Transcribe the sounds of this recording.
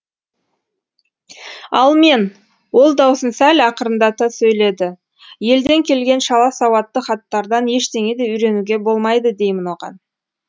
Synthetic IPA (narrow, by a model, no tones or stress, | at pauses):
ɑ̰lˠme̞n | wo̞lˠd̪ɑwsənsælʲɑqəɾənd̪ɑt̪əsɵjle̞d̪ɪ | je̞ld̪e̞ŋkʲʰe̞lɡʲe̞nʃɑlˠɑsɑwɑt̪ːəχɑt̪ːɑɾd̪ɑnje̞ʃt̪e̞ŋe̞d̪e̞ʏɾe̞nuɡʲe̞bo̞lˠmɑjd̪əd̪e̞jmɪnwo̞ʁɑ̰n